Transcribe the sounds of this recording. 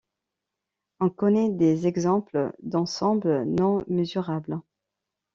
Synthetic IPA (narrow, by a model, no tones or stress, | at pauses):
ɔ̃kɔnɛd̪ezɛɡzɑ̃pld̪ɑ̃sɑ̃blənɔ̃məzyʁabl